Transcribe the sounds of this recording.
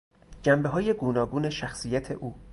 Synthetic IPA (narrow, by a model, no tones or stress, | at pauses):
d͡ʒæmbeɦɒːje̞ɡuːnɒːɡuːne̞ʃæxsijæt̪ʰe̞ʔuː